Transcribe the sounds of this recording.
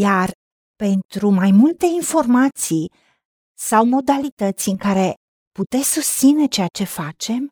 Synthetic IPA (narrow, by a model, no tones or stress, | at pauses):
jar | pe̞nt̪ɾumajmult̪e̞info̞rmat̪si | sawmo̞d̪alit̪ət̪sʲɨŋkaɾe̞ | put̪e̞sʲsust̪sine̞t͡ʃe̞at͡ʃe̞fat͡ʃe̞m